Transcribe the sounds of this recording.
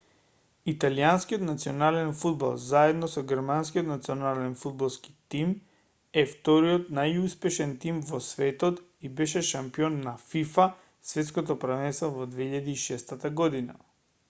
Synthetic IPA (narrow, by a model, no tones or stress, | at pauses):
it̪alianskijɔt̪nat̪siɔnalɛnfud̪bo̰lˠzaɛd̪nɔsɔɡɛɾmanskiot̪nat̪siɔnalɛnfud̪̚bolˠski̥t̪im | ɛft̪ɔɾiɔt̪najuspɛʃɛnt̪imvɔsvɛt̪ɔt̪ibɛʃɛʃampiɔnːafifa | svɛt̪skɔt̪ɔpɾavɛnst̪vɔvɔd̪vɛiʎad̪iːʃɛst̪at̪aɡɔd̪ina̰